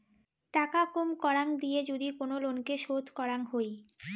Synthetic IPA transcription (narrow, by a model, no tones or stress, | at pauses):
ʈakakomkɔɾaŋd̪ijed͡ʑod̪ikonolonkeʃod̪ʱkɔɾaŋɦoj